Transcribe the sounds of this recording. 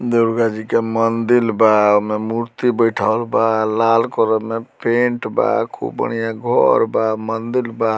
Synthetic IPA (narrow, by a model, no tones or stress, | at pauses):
d̪eɾɡad͡ʒikemənd̪ilbamemuɾt̪ibəjʈʰalbalalkɔɾəmepeɳʈba̰kʰṵbə̰nijaɡʱɔɾbamənd̪ilba